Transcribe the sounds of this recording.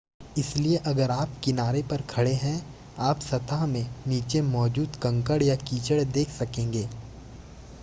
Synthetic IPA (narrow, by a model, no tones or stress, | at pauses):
ɪslieʔɐɡəɾaːp̚kɪnaːɾepɐɾkʰɐɽeɦɛ̃ | aːpsɐt̪aːɦmẽniːt͡ʃemɔːd͡ʒuːd̪kɐ̃ŋkəɽjakiːt͡ʃəɽd̪eːkʰsɐkẽːŋɡeː